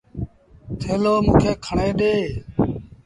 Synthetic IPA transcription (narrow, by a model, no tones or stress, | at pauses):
t̪ʰeːloːmũːkʰeːkʰəɳeːɗeː